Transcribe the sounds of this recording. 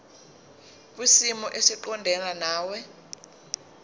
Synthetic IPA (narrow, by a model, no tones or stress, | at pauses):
k̬ʼwisimɔʔesiǃɔndʱɛnanaːwɛ